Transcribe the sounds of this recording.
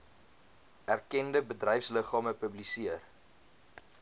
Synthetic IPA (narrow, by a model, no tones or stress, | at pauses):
ærkɛndəbədrɛjfsləχɑːməpəblisiər